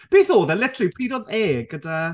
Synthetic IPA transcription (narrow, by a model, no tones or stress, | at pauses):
b̥eːθoːðəlɪtʰripʰiːdɔðeːɡ̥əda